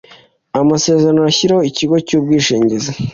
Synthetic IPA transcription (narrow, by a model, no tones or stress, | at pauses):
amase̞ːzeɾanoaçiɾaho̞iciɡo̞cuːb̚ɡiːʃiːɲɟeza